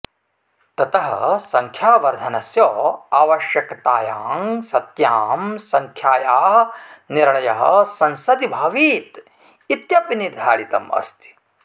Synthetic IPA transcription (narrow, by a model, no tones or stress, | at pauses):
t̪ɐt̪ɐɦɐ̰sɐŋkʰjaːʋɐɾd̪ʱɐnɐsjoːaːʋɐʃjɐkɐt̪aːjaːŋsɐt̪jaːmsɐŋkʰjaːjaːniɾɭɐjɐɦɐ̰sɐnsɐd̪ibʱɐːʋiːt̪ | it̪jɐpiniɾd̪ʱaːɽit̪ɐ̰mɐ̰st̪i̥